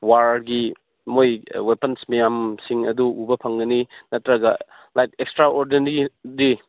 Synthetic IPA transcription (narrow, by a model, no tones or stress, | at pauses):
waɾɡi | mojwepɐnsmɐjamsiŋɐ̰duʔubɐpʰɐŋɡɐninɐtːɾɐɡɐ | lajkekstɾaʔoɾdenɾiɾi